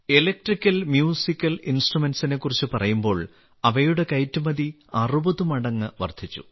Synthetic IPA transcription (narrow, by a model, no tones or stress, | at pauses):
elɐk̚ʈrikʲːɐlmjuːsikʲːɐlinsʈrumensine̞kːurit͡ɕːɨpɐrɐjumbo̞ːɭ | ɐʋɐjuɽe̞kɐjtːumɐði | ɐrubɐðumɐɽɐŋːɨʋɐ̰rd̪ʱit͡ɕːṵ